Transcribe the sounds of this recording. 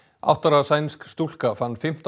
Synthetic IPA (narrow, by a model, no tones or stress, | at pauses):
a̰wht̪aɾaðsajnskst̪ul̥kafanːfɪm̥t̪